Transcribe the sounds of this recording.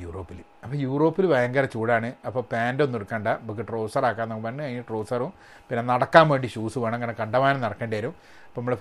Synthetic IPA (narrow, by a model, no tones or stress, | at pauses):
juːro̞ːpːilɨ | ɐpːoːjuːro̞ːpːilɨʋɐjɐŋɡɐɾɐt͡ɕuːɽaːɳɨɐpːoːpaːndonːeɽukːaːɳɖabɐk̬ːɨʈro̞ːsɐraːkːaːnokːmeɳːɨɐiʈroːsɐrum | pinːenɐɽɐkːaːmʋeːɳɖiɕuːsuʋaːɳɐeŋːɐnekɐɳɖɐʋaːnɐmnɐɽɐkːeːɳɖejɐɾum | ɐpːoɐmːɐɭe